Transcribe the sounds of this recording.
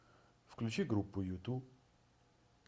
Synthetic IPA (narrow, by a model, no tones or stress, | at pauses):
fklʲut͡ʃiɡɾupːujut̪u